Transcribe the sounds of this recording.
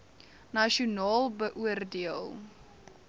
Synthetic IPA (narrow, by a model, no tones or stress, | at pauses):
nɐʃiunɑːlˠbəʔuərdiəlˠ